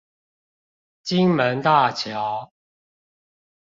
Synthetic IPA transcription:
t͡ɕi˦ŋmə˨˦nt̪a˥˨t͡ɕʰjɑ˨˦ʊ

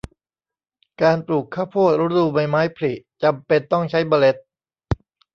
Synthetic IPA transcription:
kaː˧npluː˨˩kʰːaː˥˩pʰuː˥˩t̪̚ɾa˦˥duː˧ba˧jmaː˦˥jpʰli˨˩ʔt͡ɕa˧mpe˧nt̪ɔ˥˩ŋt͡ɕʰa˦˥jbɔː˧le˦˥t̪̚

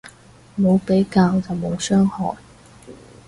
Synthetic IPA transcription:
mo˨˧wpe˨˥jkaː˧wt͡sɐ˨˩wmo˨˧wsœː˥ŋhɔ̰ː˨˩n

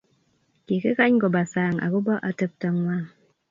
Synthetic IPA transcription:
ki˨kə˦ka˦ɲɡɔ˨ba˨saː˨ŋa̰˨ku˦bɔ˦ʔa˨tə˦p̚ta˨ŋwa˦˨ŋ

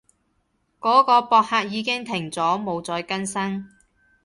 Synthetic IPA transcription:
kɔː˨˥kɔː˧pɔː˧k̚haː˧k̚jiː˨˧kɪ˥ŋt̪ʰɪ˨˩ŋt͡sɔː˨˥mo˨˧wt͡sɔː˧jkɐ˥nsɐ˥ŋ

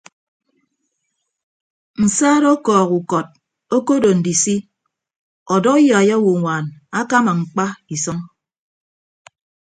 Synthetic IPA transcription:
n̩˨saː˦ɾɔ˦kɔː˨ku˨kɔ˨t̚ | o˦ko˦do˨n̩˨di˨si˦ | ɔ˨dɔ˦jɔ˨a˨ja˦wo˨ŋʷaː˨na˦ka˦ma˨ŋ͡m̩˨k͡pa˦i˨sɔ˦ŋ

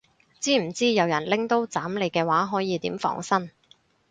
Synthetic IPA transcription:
t͡siː˥m̩˨˩t͡siː˥jɐ˨˧wjɐ˨˩nlɪ˥ŋt̪o˥wt͡saː˨˥mle˨˧jkɛː˧waː˨˥ɦɔː˨˥jiː˨˧t̪iː˨˥mfɔ̰ː˧ŋsɐ˥n

